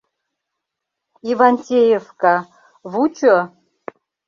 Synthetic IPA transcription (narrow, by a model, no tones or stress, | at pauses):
ivanʲtʲejefka | vut͡ʃo